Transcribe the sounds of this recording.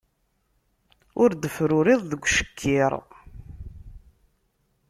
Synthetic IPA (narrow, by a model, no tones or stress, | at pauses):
ʊɾd̪əfɾʊɾɪðˤðəɡʷʃə̥kʰːɪɾˤ